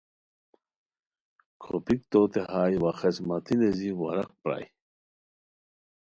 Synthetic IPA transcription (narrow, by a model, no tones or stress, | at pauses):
kʰo̰pik̚t̪ot̪eɦaːjwaxesmat̪ineziwɐɾɐk̚pɾa̰j